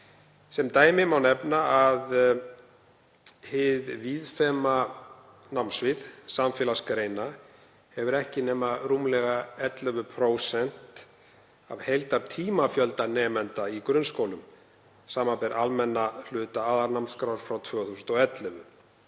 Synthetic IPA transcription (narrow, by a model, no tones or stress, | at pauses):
sɛmt̪aːjmɪmawnɛpnaað | hɪðviːðfɛːma | namsvɪðsamfɪːlaskɾeːjna | hɛvʏɾɛhcɪnɛːmaruːmlɛɣaɛt̪lœvʏpʰɾoːwsɛn̥t̪ | avhejlt̪aɾ̥t̪ʰiːmafjœlt̪anɛːmɛnt̪aikɾʏnskowlʏm | saːmapɛɾʔalmɛnːal̥ʏːt̪aaːðaɾnamnskɾawɾ̥fɾawt̪ʰvœːɣaθusʏnt̪ɔɣɛt̪lœvʏ̰